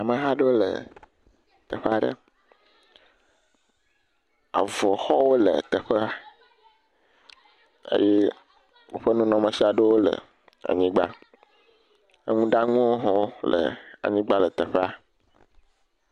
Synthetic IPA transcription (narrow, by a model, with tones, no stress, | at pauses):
a˨mə̃˨ɦa˦ɖe˦o˦lə̰˨ | t̪ə˨ɸe˦a˨ɖə̰˦ | a̰˨vɔ˨xɔ˦wo˦lə̰˨t̪ə˨ɸə˦a˨ | ə̰˦je˦ | wo˨ɸə˦nũ˦nɔ̃˨mə̃˨si˦a˨ɖe˦wo˦lə̰˨ | a̰˨ɲĩ˦ɡ͡ba̰˦ | ə˦ŋũ˦ɖa˦ŋũ˦wo˦ɦɔ̃˦lə̰˨a̰˨ɲĩ˦ɡ͡ba˦lə˨t̪ə˨ɸe˦a˨